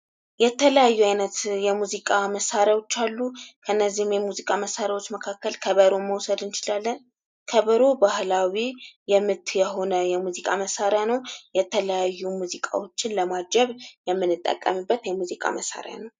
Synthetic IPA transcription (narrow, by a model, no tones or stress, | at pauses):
jɛt̪ʰələjajːuajnət̪jɛmuzikʼaməsaɾjawo̞t͡ʃːalːukʰəɨnːəzːihmjɛmuzikʼaməsaɾjawo̞t͡ʃːməkʰakːəlkʰəβəɾo̞məwsəd̪ɨnt͡ʃɪlalːən | kʰəβəɾo̞bahlawijɛmːɨt̪jɛɦo̞nəjɛmuzikʼaməsaɾjanəwjɛt̪ʰələjajːumuzikʼa̰wo̞t͡ʃːɪnləmad͡ʒɛβjɛmːɨnːɨt̪ʼːə̰kʼːə̰mɨbːət̪jɛmuzikʼa̰məsa̰ɾja̰nəw